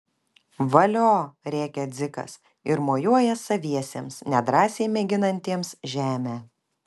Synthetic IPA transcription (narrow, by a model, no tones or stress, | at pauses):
ʋɐlʲoːɾʲæːkʲɛd̪zʲɪkɐ̰s | ɪɾmoːjuɔjɛsɐʋʲiɛsʲeːmsnʲɛd̪ɾɑːsʲɛɪmʲɛɡʲɪnɐnʲt̪ʲiɛmsʒʲæːmʲæː